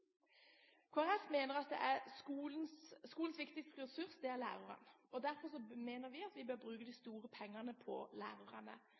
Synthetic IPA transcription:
kʰʊʁɛsmeːnəʁɑt̪̚d̪ɛ̰ʔæʁskuːln̩sskuːln̩sʋɪkt̪ɪkst̪əʁɛsʉʁsd̪ɛæɾlæ̰ːʁʊʁə̰nɔd̪æɾfɔsɔmeːnəɾʋɪɑt̪ʋɪbøːʁbʁʉːkəd̪ɪst̪uːʁəpʰɛŋːɑnəpʰɔ̰læ̰ːʁəʁə̰nə̰

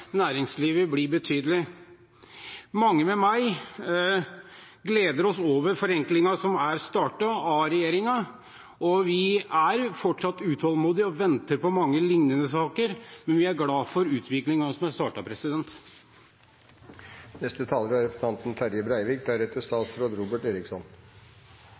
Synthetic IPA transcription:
næːɾɪŋsliːʋəblɪbət̪ʰyːd̪əlɪ | mɑŋːəmɛmæɪ | ɡleːd̪əɾɔsoːʋəɾfɔɾɛŋklɪŋɑsɔmæɾst̪ɑːʈɑɑɾɛjeːɾɪŋɑ | ʔɔʋɪæɾfɔʈʂɑt̪ːʉːt̪ʰɑlmuːd̪ɪɔʋɛnt̪əɾpɔmɑŋːəlɪŋnənəsɑːkəɾmɛnʋɪæɾɡlɑːfɔɾʉːt̪ʰʋɪklɪŋɑsɔmæɾst̪ɑːʈɑpʰɾɛsɪd̪ɛnt̪ | nɛst̪ət̪ʰɑːləɾæɾɛpə̥t̪ɑnt̪n̩fʰæɾjəbɾæɪʋɪk̚d̪æɾɛt̪ːəɾst̪ɑːsɾoːd̪ɾuːbəʈeːɾɪksɔn

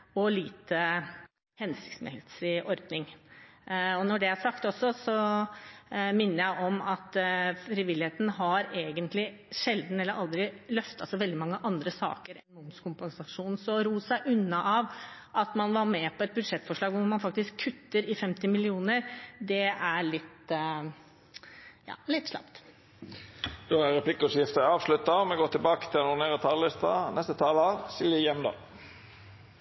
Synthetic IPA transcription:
ɔliːt̪ə | hɛnsɪ̥kt̪smɛ̰sɪʔɔɾd̪nɪŋ | ɔnɔɖɛæʂɑkt̪ɔsːɔsɔ | mɪnːəɾjæɪʔɔmɑt̪fɾɪʋɪlːɪheːt̪n̩ɦɑɾeːɡənt̪lɪ | ʂɛld̪n̩ɛlːəɾʔɑld̪ɾɪlœft̪ɑsɔʋɛld̪ɪmɑŋːəʔɑnd̪ɾəsɑ̰ːkəɾɛnmʊnskʰʊmpɑnsɑʂuːnn̩sɔɾuːsæɪʔʉnːɑʔɑʋ | ʔɑt̪mɑnʋɑɾmɛpʰɔɛt̪̚bʉd̪ʂɛt̪ːfɔʂɭɑːɡʋʊɾmɑnfɑk̚t̪ɪskʰːʉt̪ːəɾɪfɛmt̪ɪmɪlɪuːnəɾd̪ɛæɭɪt̪ː | jɑ̰ːlɪt̪ːʂlɑ̰pt̪ | d̪̥oːæɾɾɛpʰlɪkːʊsjɪft̪əɑːʋʂlʉt̪ːɑmɛɡoːt̪ʰɪlbɑːkə̥t̪ʰɪlnʊneːɾət̪ʰɑːləlɪst̪ɑ̰nɛst̪ət̪ʰɑːləɑsɪljəjɛmd̪ɑ̰ːɡ

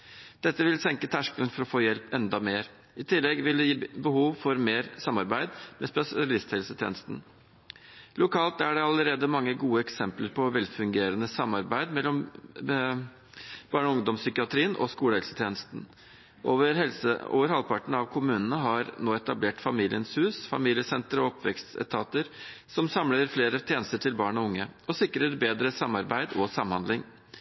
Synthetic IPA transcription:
d̪̥ɛt̪ːəʋɪlsɛŋkət̪ʰæʂkələnfɔɾɔfoːjɛlpɛnd̪ɑmeːɾ | ɪt̪ʰɪlːɛɡʋɪld̪ɛjiːbəhuːʋfɔɾmeːɾsɑmːɑɾbæɪd̪mɛspɛsɪɑlɪst̪hɛlsət̪ʰjḛːnəst̪n̩ | lʊkʰɑːlt̪æɖɛɑləɾeːd̪əmɑŋːəɡuːəɛksɛmpləɾpʰɔʋɛlfʉŋɡeːɾənəsɑmːɑɾbæɪd̪mɛlːɔm | b̥ɑːɳɔʊŋd̪ɔmsʏkɪɑt̪ʰɾiːənʔɔ̰skuːləhɛlsət̪ʰjeːnəst̪ən̩ | ʔoːʋəɾɛlsəo̰ːʋəɾhɑlpʰɑʈɳ̩ɑʋkʰʊmʉːnənəɦɑɾnoːɛt̪ɑbleːʈfɑmiːlɪənshʉːsfɑ̰miːlɪəsɛnt̪əɾɔɔpʋɛkst̪ɛ̰t̪ʰɑːt̪əɾsɔmsɑmləɾfleːɾət̪ʰjeːnəst̪əʈʰɪlbɑːɳɔʊŋːəɔsɪkɾəɾbeːd̪ɾəsɑmːɑɾbæɪd̪ɔsɑmhɑnd̪lɪŋ

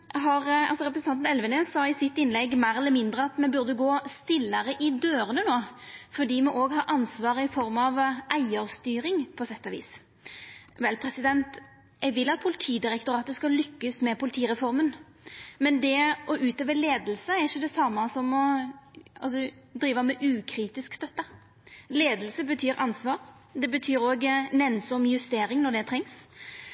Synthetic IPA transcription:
ɦɑɾɑ̰lsɔʁɛp̬ɾəsn̩ɑnt̪n̩ɛlʋənɛsɑɪsɪt̪ːɪnlɛɡmæɪɾɛlːəmɪnd̪ɾəɑt̪mɛbʉɾd̪əɡoːst̪ɪlːəɾəʔɪd̪øːɾənənoːfɔd̪iːmɛʔoːɡɦɑɾʔɑnsʋɑːɾəɪfɔɾmɑʋʔæɪəɾst̪yːɾɪŋpʰɔsɛt̪ːɑʋḭːs | ʋɛlpʰɾɛsɪd̪ɛnt̪ | jɛɡʋɪlːɑt̪̚pʰʊlɪt̪ʰiːd̪ɪɾɛkt̪ʊɾɑːt̪əskɑlʏkːəsmɛpʰʊlɪt̪ʰiːɾɛfɔɾmən | mɛnd̪ɛʔɔʔʉːt̪ʰøːʋəleːd̪əlsəæɾɪçːəd̪ɛsɑmːɑsɔmɔ | ɑ̰s̬ɔd̪ɾiːʋəmɛʔʉːkʰɾiːt̪ɪskst̪œt̪ːə | leːd̪lsəbət̪ʰyːɾʔɑnsʋɑːɾ | d̪ɛbət̪ʰyːɾoːɡnɛnsɔmjʉst̪eːɾɪŋnɔɖ̪ɛt̪ʰɾɛŋs

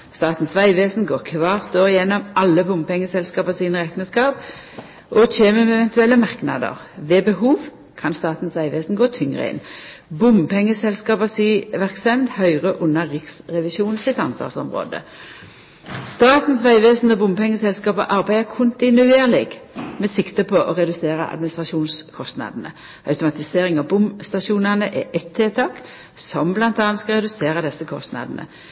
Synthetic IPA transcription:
st̪ɑːt̪n̩sʋæɪʋeːsn̩ɡoːʁkʰʋɑːʁt̪oːʁjɛnːɔmʔɑlːəbʊmpɛŋːəsɛlskɑːpəsiːnəʁɛk̪nəskɑːp | ʔɔt͡ʃʰeːməmɛɛʋɛnt̪ʉɛlːəmɑʁknɑ̰d̪ə̰ʁʋeːbəɦuːʋ | kʰɑnst̪ɑːt̪n̩sʋæɪʋeːsn̩ɡoːt̪ʰʏŋʁə̰ɪ̰n | bʊmpʰɛŋːəsɛlskɑːpəsiʋɛʁksɛmd̪hœʏʁəʔʊnːəʁɪksʁɛʋɪʃuːnsɪt̪ɑ̰nsʋɑ̰sɔ̰mʁo̰ːd̪ə̰ | st̪ɑːt̪n̩sʋæɪʋeːsn̩əbʊmpɛŋːəsɛlskɑːpə̰ʔɑɾbæɪækʰʊnt̪ɪnʉeːʁlɪɡmɛsɪkt̪əpʰɔʔɔʁɛd̪ʉseːɾə̰ʔɑ̰d̪mɪnɪst̪ʁɑʃuːnskʰɔst̪nɑ̰d̪n̩ə | ʔœʉt̪ʊmɑt̪ɪseːɾɪŋɑbʊmst̪ɑʃuːnænəʔɛ̰ʔɛt̪ʰːeːt̪ʰɑːk | sɔmblɑnt̪ɑːnt̪skɑʁɛd̪ʉseːɾəd̪ɛsːəkʰɔst̪nɑ̰d̪n̩ə̰

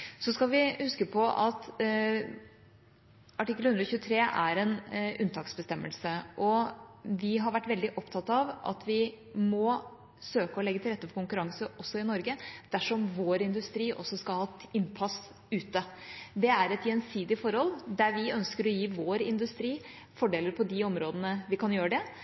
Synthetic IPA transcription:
sɔskɑʋɪhʉskəpʰɔʔɑt̪ | ɑʈɪkːlhʉnd̪ɾɔçʉːət̪ʰɾeːʔæɾɛnʉ̰nt̪ʰɑːksbəst̪ɛmːə̰lsəʔɔʋɪɦɑɾʋæʈːʋɛld̪ɪʔɔpt̪ʰɑt̪ːɑʋʔɑ̰t̪ʋɪ | mɔ | søːkəɔlɛɡːət̪ɪlɾɛt̪ːəpʰɔɾkʊŋkʉɾɑŋsəʔɔsːɔɪnɔɾɡəd̪̥æʂɔmʋoːɾɪnd̪ʉst̪ɾiːʔɔ̰sːɔskɑlhɑːt̪ɪnpʰɑs | ʉːt̪əd̪ɛæɾɛt̪jɛnsiːd̪ɪfɔɾhɔld̪æɾʋɪœnskəɾɔjiːʋoːɾɪnd̪ʉst̪ɾiː | fɔɖeːləɾpʰɔd̪ɪɔmɾoːd̪ənəʋɪkʰɑnjøːɾəɖɛ

